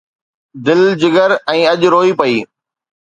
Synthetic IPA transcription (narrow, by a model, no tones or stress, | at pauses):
d̪ɪld͡ʑɪɡəɾɛ̃ːɐʄɾoːipɐiː